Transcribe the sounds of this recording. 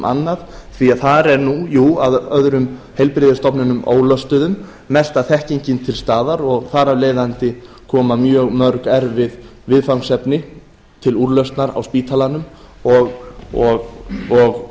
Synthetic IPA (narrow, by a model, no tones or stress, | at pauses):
ʔa̰nːaðθviaðθaɾɛɾnujuːaðœðɾʏm | hejlpɾɪðɪst̪ɔpnɪnʏmo̰ːwlœst̪ʏðʏmː | ɛst̪aθɛhciɲcɪnt̪ʰɪlst̪aːðaɾɔɣθaɾavleːjðant̪ɪ | kʰɔːmamjœːɣmœɾkɛɾvɪðvɪðfawŋsɛpnɪ | t̪ʰɪluɾlœst̪naɾa̰wspiːt̪ʰalanʏm | ɔɣɔɣɔɣ